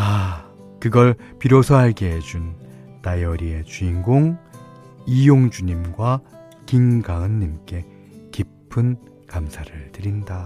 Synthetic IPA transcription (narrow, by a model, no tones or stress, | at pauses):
a | kɯɡʌɭ | piɾosʰʌɦaɭɡeɦed͡ʑun | tajʌɾie̞t͡ɕuiŋɡoŋ | ijoŋd͡ʑuɲimɡwa | kinɡaɯnːimk͈e̞ | kipʰɯn | kamsʰaɾɯɭtɯɾinda